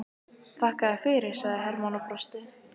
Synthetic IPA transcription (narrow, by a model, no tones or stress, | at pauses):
θahkaðafɪɾɪɾ̥saɣðɪɦɛɾmawnapɾast̪ɪ